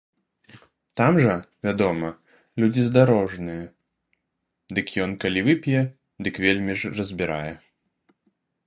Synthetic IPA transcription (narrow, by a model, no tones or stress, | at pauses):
t̪amʐɐvʲad̪ɔmɐ | lʲud͡zʲizd̪aɾɔʐnɨjɛ | d̪ɨkjɔnkalʲivɨpʲijɛ | d̪ɨkvʲelʲmʲiʐrɐzʲbʲiɾa̰jɛ